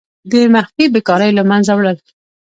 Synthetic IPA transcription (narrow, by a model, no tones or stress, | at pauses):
d̪əmaxfibekɑɾəjlamanzawɽəl